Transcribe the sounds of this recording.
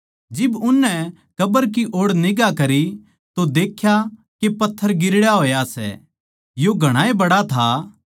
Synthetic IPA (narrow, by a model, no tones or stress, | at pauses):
d͡ʒɪbʊnːɛ | kɐbəɾk̬iʔoːɽnɪɡakɐɾi | t̪od̪eːkʰja | kepɐt̪ʰːəɾɡɪɾɽjaɦoːjasɛ̰ | joɡʱɐɽ̃aːebɐɽat̪ʰa